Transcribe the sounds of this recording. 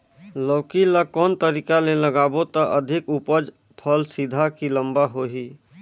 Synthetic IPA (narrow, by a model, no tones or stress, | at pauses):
lɔːkilakɔːnt̪əɾiːkaleləɡaːbot̪əʔəd̪ʱɪkupəd͡ʒ | pʰəlsid̪ʱakilə̃mbaɦoːɦiː